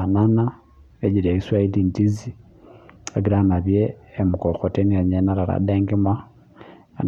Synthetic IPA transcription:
anana | eɟiɾeiswaidintizi | eɡiɾanaβjeːmukoxotenieɲenaɾaɾa̰deŋɡima | n

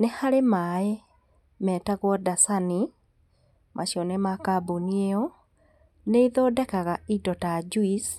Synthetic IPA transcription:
nehaɾemae | mɛːtaɣwɔdasani | mʔaɕiɔnemakabonieɔ | neiðoːdɛkaɣaidɔtad͡ʒuis

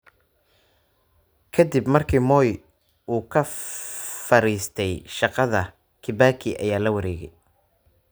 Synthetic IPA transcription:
kʰɐd̪ibmɐrkʰiːmɔːj | uːkʰɐ | fɐɾiːst̪ʰɛjʃɑqɑðɐ | kʰɪbaːkʰiʔɐ̰jaːlɐwɐɾɛːɣɛj

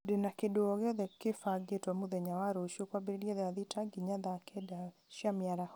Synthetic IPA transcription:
denakedoɔɣeɔðɛkefaɡetwamuðɛɲawaɾoʃjokwabeɾeliɔðɛaðitʰaɡiɲaðakɛda | ʃjamjaɾah

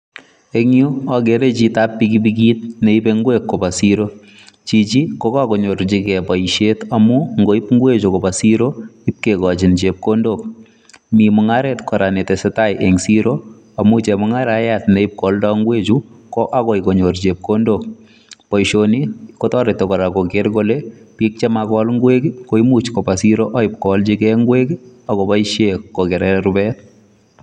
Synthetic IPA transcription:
eŋjuaɡeɾet͡ʃitapːikip̬ikiːt̚neipeŋɡwekːopasiɾo | t͡ʃit͡ʃikokakoɲoɾt͡ʃikɛpɔjʃetamuŋɡoipŋɡwet͡ʃokopasiɾoip̚kekɔt͡ʃint͡ʃep̚kondok̚ | mimʊŋaɾɛtkɔɾanetesetajʔeŋsiɾo | amut͡ʃɛmɔŋaɾajatnɛɪp̚kɔldɔŋɡwet͡ʃukɔʔakɔɪkoɲort͡ʃep̚kondok̚ | pɔjʃonikotɔɾɪtɔkɔɾakokeɾkolepik̚t͡ʃɛmakɔlŋɡwekkoimut͡ʃkopasiɾoʔaɪp̚kɔlt͡ʃikɛŋɡwekakɔpaiʃekːokɛɾɛɾubɛt

